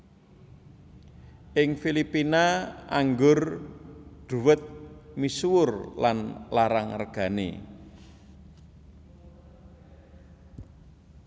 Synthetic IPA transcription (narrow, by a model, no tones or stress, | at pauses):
ʔɪŋfilipinaaŋɡʊr | ɖ̥ṳwət̪̚miswʊrlanlaɾaŋərɡ̥a̤nḛ